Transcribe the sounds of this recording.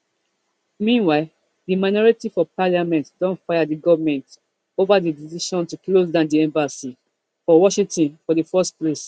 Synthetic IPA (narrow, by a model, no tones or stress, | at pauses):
mĩnwaɪl | dimaɪnɔɹitifɔpalamɛ̃ntdɔ̃ntfaɪadiɡɔvmɛ̃nt | ovadidisiʃɔ̃ntuklos̬dãʊ̃ndiɛ̃mbasi | fɔwɔʃĩtĩnfɔdifɛstples